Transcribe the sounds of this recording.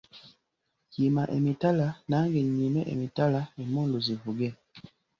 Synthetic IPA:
jimaʔemitalanaŋɡeɲimɛʔḛmitalaemuluzivuɡɛ

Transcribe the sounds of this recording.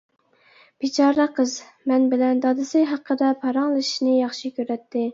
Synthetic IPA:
b̥it͡ʃʰɑɾəqʰəz | mɛnbɪlɛnd̪ɑd̪ɨsɨɦɑqːəd̪ɑpʰɑɾɑŋlˠɨʃʃnɨjɑχʃikʲʰøɾɛt̪ʰːɪ

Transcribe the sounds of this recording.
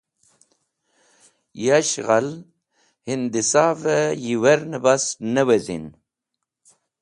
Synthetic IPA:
jaɕɣal | hind̪isaːvəjiwɐɾnəbasnəwezḭn

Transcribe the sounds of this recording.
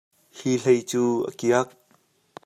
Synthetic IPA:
hilejt͡suːʔə̰kiək̚

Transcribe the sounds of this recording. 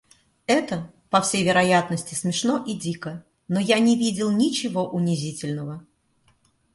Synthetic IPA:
ɛt̪ə | pɐfsʲejvʲɪɾɐjat̪nəsʲtʲɪsmʲɪʂno̞ʔidʲikə | nojanʲɪvʲidʲɪlˠnʲɪt͡ɕɪvo̞ʔʊnʲɪzʲitʲɪlʲnəvə

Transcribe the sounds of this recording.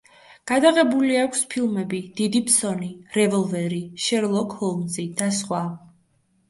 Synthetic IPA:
ɡ̥ad̪aʁɛbuliakʷʰspʰilˠmɛbid̪̥id̪ipʰsɔniɾɛvɔlˠvɛɾiʃɛɾlˠɔkʰhɔlˠmzid̪̥asχwa

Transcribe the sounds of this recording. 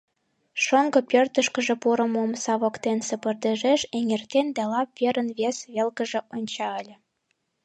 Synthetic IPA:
ʃoŋɡɤ̆pørt̪ə̆ʃkə̆ʒĕpuɾə̆momsɑβokt̪ensə̆pɤ̆rd̪ĕʒeʃeŋert̪end̪ælɑp̚vʲeɾənβʲesβʲelkə̆ʒĕʔonʲt͡ɕɑəlʲĕ

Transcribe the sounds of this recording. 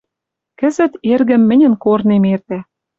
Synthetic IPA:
kə̆zə̆t̪erɣə̆mːɘ̆nʲə̆nkornemert̪æ

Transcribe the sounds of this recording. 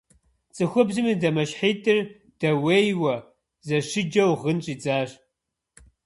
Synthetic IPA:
t͡sʼɨxʷʊbzɨmidɐmɐɕħiːtʰʼɨr | d̥ɐweːjwɐ | zɐʂɨd͡ʒɐwʁənt͡ʃʼiːd͡zaːɕ

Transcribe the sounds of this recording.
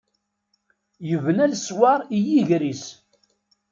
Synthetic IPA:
jəvənælswɑɾˤijiʝɾis

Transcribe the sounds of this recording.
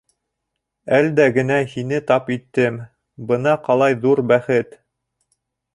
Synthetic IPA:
æld̪æɡɘ̆næhinɘt̪ɑpit̪ːɘm | bɤ̆nɑqɑlˠɑjðuɾbæχɘt̪

